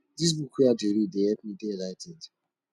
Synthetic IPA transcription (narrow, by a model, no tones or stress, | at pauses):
dis̬bukʰujadeɾideɛpnidelaɪted